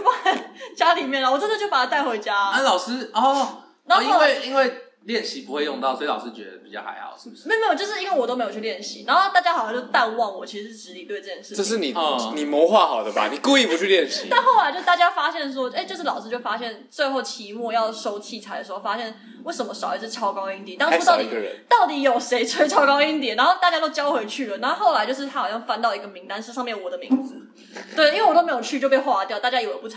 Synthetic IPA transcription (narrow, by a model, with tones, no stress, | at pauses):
o˥˩pa˨˩˥t͡ɕja˥li˨˩mjɛ˥˩nlə˩wɔ˨˩ʈ͡ʂə˥nd̪ə˨t͡ɕjo˥˩ʊpa˨˩a˦˥t̪a˥˩ɪxwe˧˥ɪt͡ɕja˥a˥˩lɑ˨˩ʊsɹ̩˥ɔ˥˩ | a˧˥o˧i˥o˥we˥˧˩ɪi˥nwe˥˧ɪ | ljɛ˥˨˩nɕi˧˥pu˧˥xwe˥˧jo˥˧ŋt̪ɑ˥ʊsɔ˧˥i˨lɑ˨ʊsɻ̩˥t͡ɕɥɛ̰˧˦d̪ə˨˩pi˨˩t͡ɕɑ˥˩ʊxa̰˧˥ɪxɑ̰˨˩˦ʊʂɻ̩˥˩u˩ʂ̩ɻe˧˥o˨me˧˥jt͡ɕo˥˧ʊʂɻ̩˥˧i˥wə˥˩wɔ˨˩o˥me˧˥jo˨˩t͡ɕʰy˧ljɛ˥˩nɕḭ˧˦na˧˥xo˥˧t̪t͡ɕja˥xɑ˨jt͡ɕjo˥˧˩t̪a˥˧nwɑ˥˩ŋwɔ˨˩t͡ɕʰi˧˥ʂ̩˧˩ʂ̩˥˧˩ɻ̩˧˥li˨t̪we˥˧ɪʈ͡ʂɤ˥˧t͡ɕjɛ˥n˩ʂɻ̩˥˧ʈ͡ʂə˥˧ʂ̬ɻ̩˥˩ni˨˩ni˨˩mɔ˨˧˥xwa˥˩xɑ˨˩ʊd̪ə˦ba̰˨ni˨˩ku˥˧i˥˩pu˧˦t͡ɕʰy˥˧ljɛ˥˩nɕḭ˨˦t̪a˥˧nxo˥˩ʊla˧˥t͡ɕo˥˧ʂ̩˥t̪a˥˩ja˥fa˥ɕjɛ˥˩nʂ̬wɔ˥e˥˧ɪt͡ɕo˥˧ʊʂɻ̩˥˩lɑ˨˩ʊʂɹ̩˥t͡ɕjo˥˩ʊfa˥ɕjɛ˥˧˩nt͡swe˥˧ɪxo˥˩ʊt͡ɕʰi˧˥mu˥˧jɑ˥˨˩ʊʂo˥ʊt͡ɕʰi˥˩ʈ͡ʂʰa˧˥d̪ə˨˩ʂ̩˧xo˥˩fa˥ɕjɛ˥˩n | we˥˩ɪʂə˧˥mə˧˦ʂɑ˨˩ʊi˧˥˩t͡sʰɹ̩˥˩t͡ɕʰjɑ˥ʊkɑ˥ʊi˥nt̪iɛ˨˩t̪ɑ˥ŋʈ͡ʂʰt̪ɑ˥˩i˨˩ɡə̰˧˦t̪ɑ˥˩ʊt̪i˨˩˦jo˨˩ʊʂe˧˥ɪt͡sʰə˥t͡ɕʰjɑ˥ʊkɑ˥ʊi˧˥nt̪jɛ˨˩nna˧˥nxo˥˧ʊt̪a˥˩t͡ɕja˥t̪o˥˧ʊt͡ɕjɑ˥ʊwxe˧˥ɪt͡ɕʰy˥˩lə˩na˧˥o˥˧xo˥˩ʊa˧˥t͡ɕo˥˧ʊʂ̬ɻ̩ʰ˥˩a˥xɑ˨˩ʊɕɑ˥˧ŋfa˥nt̪ɑ˥˩ʊi˧˥ɡə˧mi˧˥ŋt̪a˥nʂɻ̩˥˧ʂɑ˥˧mjɛ˥˩nwɔ˨˩d̪ə˦mḭ˧˥ŋd͡z̩̪˨˩˦ | we˥˩ɪi˥we˥˩wɔ˨t̪o˥m˧˥jo˨˩ʊt͡ɕʰy˥˧t͡ɕjo˥˧ʊpe˥˧xwa˥˧t̪jɑ˥˩ʊt̪a˥˩t͡ɕja˥jo˧˩ə˨˩pu˥˩ʈ͡ʂʰ